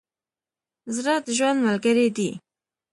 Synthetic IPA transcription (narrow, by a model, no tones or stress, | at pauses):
zɾad̪əʒwand̪malɡaɾed̪i